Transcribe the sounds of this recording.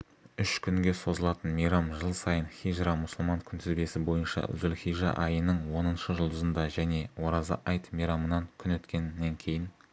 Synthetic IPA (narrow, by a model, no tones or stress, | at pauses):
ʏʃkʲʰʏŋɡʲe̞sozəlˠɑt̪ənmijɾɑmʒəlˠsɑjənχiʒɾɑmʊsʊlˠmɑŋkʲʰʏnt̪ʰɪzbe̞sɪbo̞jənʃɑ̰zʏlχijʒɑ̰ʔɑjənəɴwo̞nənʃəʒʊlˠd̪əzənd̪ɑʒæne̞wo̞ɾɑzə̰ʔɑjt̪mijɾɑmənɑŋkʲʰʏnwɵt̪kʲe̞nːeŋkʲʰe̞jɪn